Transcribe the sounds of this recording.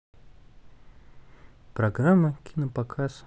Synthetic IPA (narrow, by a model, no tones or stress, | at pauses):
pɾɐɡramːəkʲʰinəpɐkʰas